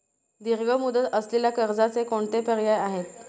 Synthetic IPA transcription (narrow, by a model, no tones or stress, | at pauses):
d̪iɾɡəmud̪ət̪əsleljakəɾd͡zat͡sekoɳt̪epəɾjajaɦet̪